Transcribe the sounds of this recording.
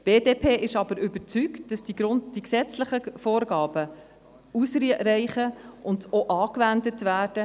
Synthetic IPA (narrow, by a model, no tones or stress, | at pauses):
b̥eːdeːpʰeːʔɪʃɑb̥əɾʏbəɾt͡syktd̥ɑsd̥iɡɾʊnd̥iksɛt͡sləχəfoːɾɡɑːb̥ə | usɾiɾɛɪχəʔʊndoʔɑːkvændətʋæːɾd̥ə